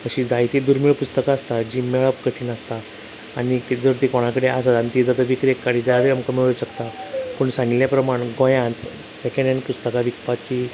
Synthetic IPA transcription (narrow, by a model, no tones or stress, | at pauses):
əɕid͡zajt̪id̪uɾmiɭpust̪əkaːst̪ad͡ʑimɛɭəpkəʈʰiːnast̪aː | nit̪id͡zəɾt̪ikoɽ̃akəɽeasat̪ant̪id͡zət̪əʋikɾekːaɽid͡zaaɾəmkəmiɭɕəkt̪apuɳsãŋɡiljapɾəmaɳɡõjãnt̪ | sekə̃ɳɖanpust̪əkaʋikpat͡ɕi